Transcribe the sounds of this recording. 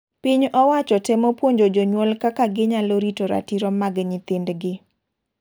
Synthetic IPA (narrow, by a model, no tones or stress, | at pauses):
pɪɲɔwat͡ʃɔtɛmopwoɲd͡ʒod͡ʒoɲwɔlkakaɡɪɲaloɾitoɾa̰tiɾɔmaɡɲɪt̪ɪndɡɪ